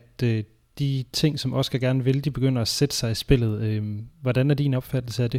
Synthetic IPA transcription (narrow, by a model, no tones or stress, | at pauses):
d̥ø | d̥it͡sʰe̝ŋ̰sɒ̽mʔɒ̽sə̥ɡ̥ʰæɡ̥æɐnəʋe̝ld̥ib̥e̝ɡ̥øn̰ɐæsed̥ə̥sɑ̈ɪisb̥e̝l̰ð̞̩ˠøʋɒd̥ænæɐd̥iːnɒ̽b̥fæd̥l̩səæd̥e̝